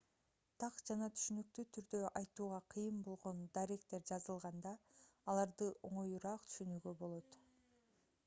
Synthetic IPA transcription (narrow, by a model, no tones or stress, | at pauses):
t̪ʰɑqd͡ʒɑnɑt̪ʰy̥ʃynyk̚t̪yt̪ʰyɾd̪ø̞ʔɑjt̪uːʁɑqʰɯjɯmbo̞lˠʁo̞nd̪aɾekt̪e̞ɾd͡ʒɑzɯlˠʁɑnd̪ɑːlˠɑɾd̪ɯʔo̞ɴo̞juɾɑːqt̪ʰy̥ʃynyːɡø̞bo̞lˠo̞t̪